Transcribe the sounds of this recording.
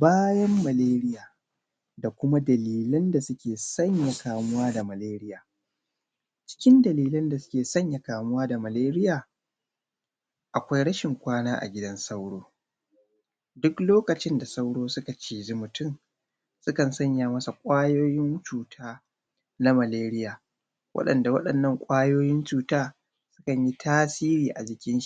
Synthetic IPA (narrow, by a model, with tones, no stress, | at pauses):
baː˦jɐ˦mːɐ˨leː˦ɾɪ˦jaː˨ | da˨kʷʊ˦ma˦dɐ˨liː˨lɐ˦nda˨sʊ˦kʲeː˨sɐ˦ɲja˨kaː˨mʊ˦waː˦da˨mɐ˨leː˦ɾɪ˦jaː˨ | t͡ʃɪ̥˦kʲɪ˦ndɐ˨liː˨lɐ˦nda˨sʊ̥˦kʲeː˨sɐ˦ɲja˨kaː˨mʊ˦waː˦da˨mɐ˨leː˦ɾɪ˦jaː˨ | ʔa˨kʷa˦jɽɐ˦ʃɪ˨ŋkʷaː˦naː˦ʔa̰˨ɡʲɪ˦dɐ˦nsa˦wɽoː˦ | dʊ˦kloː˦kɐ˨t͡ʃɪ˦nda˨sa˦wɽoː˦sʊ˦ka˨t͡ʃiː˨d͡ʒi˦mʊ˨tʊ˦m | sʊ˦kɐ˨nsɐ˦ɲja˨mɐ˦sa˨kʷʼaː˦joː˦jɪ˦nt͡ʃuː˨tʰaː˦ | na˦mɐ˨leː˦ɾɪ˦jaː˨ | wʔɐ̰˦ɗɐ̰˨nda˨wɐ̰˦ɗɐ˨nːɐ˦˨ŋkʷʼaː˦joː˦jɪ˦nt͡ʃuː˦taː˦ | sʊ̥˦kɐ˨ɲji˦tʰaː˦siː˦ɾiː˨ʔa˨d͡ʒɪ˨kʲɪ˦nʃi˦˨